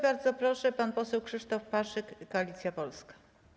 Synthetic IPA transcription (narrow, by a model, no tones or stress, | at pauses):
baɾd̪zɔpɾɔʂɛpanpɔsɛwkʂɘʂt̪ɔfpaʂɘkːɔalʲit̪sʲjapɔlskḁ